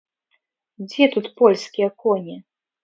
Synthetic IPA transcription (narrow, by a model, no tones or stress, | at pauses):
d͡zʲɛt̪ut̪pɔlʲskʲijɐkɔnʲɛ